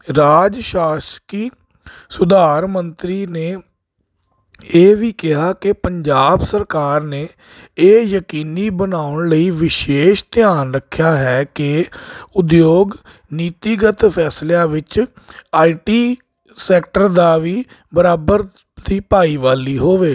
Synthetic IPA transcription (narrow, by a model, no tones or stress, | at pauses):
ɾaːd͡ʒʃaːʃkiː | sʊd̪aːɾmənt̪ɾiːneː | eːʋiːkɪɦaːkepəɲd͡ʒaːbsəɾkaːɾneː | eːjəkiːniːbənaːʊɳləiːʋɪʃeːʃt̪ɪjaːnɾəkʰːjaːɦɛːkeʊd̪joːɡ | niːt̪iɡət̪pʰɛːsljãːʋɪt͡ʃ | aːiʈiː | sɛːkʈəɾd̪aːʋiː | bəɾaːbəɾ | d̪iːpaːiːʋaːliːɦoːʋeː